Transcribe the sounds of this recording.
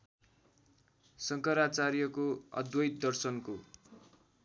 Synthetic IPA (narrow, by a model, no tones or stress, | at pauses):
sʌŋkʌɾat͡saɾjʌkoʌ̰d̪wʌjt̪d̪ʌrsʌnko